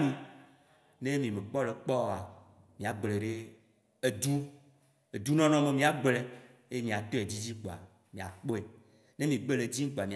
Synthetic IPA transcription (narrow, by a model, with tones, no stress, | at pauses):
nĩ˦ | nẽ˦mĩ˨me˨k͡pɔ˦le˨k͡pɔ˦˨a˨ | mĩ˨a˨ɡ͡ble˨ɖe˦ | e˨d̪u˦ | e˨d̪u˦nɔ̃˦nɔ̃˦me˨mĩ˨a˨ɡ͡ble˨ | e˦ɲĩ˨a˨t̪o˦e˨d͡ʑi˦d͡ʑi˦k͡po˨a̰˨ | mĩ˨a˨k͡po˦e˨ | nẽ˦mĩ˨ɡ͡be˦le˨d͡ʑi˦ŋ̩˦k͡po˨a˨mĩ˨